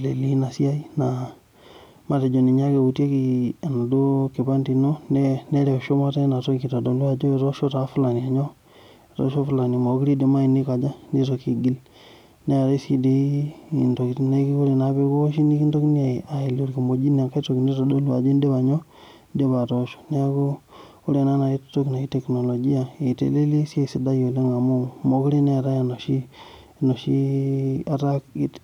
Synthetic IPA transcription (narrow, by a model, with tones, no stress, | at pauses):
le˨li˦na˨si˦a˦i˦na˨ | ma˦te˨d͡ʒo˨ni˨ɲa˦ke˨u˨te˦ki˨a˨na˨do˦ki˨ba˦nti˨no˦ne˦ne˦ɾe˨ʃo˦ma˦te˦na˨to˦ki˨ta˨do˨lu˦a˨d͡ʒo˦˨to˦ʃo˦ta˨fu˦la˨ni˨a˨ɲo˦˨ | to̰˦ʃo˦fu˦la˨ni˨ma˨o˦ki˦ɾi˦de˨ma˦i˨ni˦ka˨d͡ʒa˦ni˦to˨ki˨ɡi˦l | ne˦a˨ɾe˦si˦di˦i˨ndo˨kne˦ki˦ko˦ɾe˨na˦be˦ko˦ʃi˦ni˦ki˦ndo˦kni˦e˨a˨i˨lu˨ɾki˨mo˨d͡ʒi˦n˨a˨ŋka˦to˨kni˦ɾo˨do˦lwa̰˨d͡ʒe˦n˦de˦ba˨ɲɔ˦ | de˦ba˨to˦ʃo̥˨ne˦a˦ko˦ | o˦ɾe˨na˦na˨i˦tto˦kna˨i˦te˨kno˨lo˨ɡi˦a˨e˨tḛ˨˦le˦li˦se˦˨si˨da˦jo˨le˦ŋa˨mu˦mo˨˦ki˦ɾi˦ne˦a˨ɾa˦ja˨no˨ʃi˦ | no˨ʃi˦a˦ɾa˦k̚i˦t